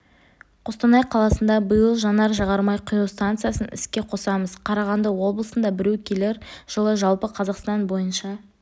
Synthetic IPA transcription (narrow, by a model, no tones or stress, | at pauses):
qʰost̪ɑnɑjqʰɑlˠɑsənd̪ɑbəjəlˠʒɑnɑɾʒɑʁɑɾmɑjqʰʊjost̪ant̪sɨjasənɪ̰skʲe̞qʰosɑməzqʰɑɾɑʁɑnd̪əwo̞blˠəsənd̪ɑbɪɾewkʲʰele̞ɾʒ̥əlˠəʒɑlˠpəqʰɑzɑqst̪ɑnbo̞jənʃɑ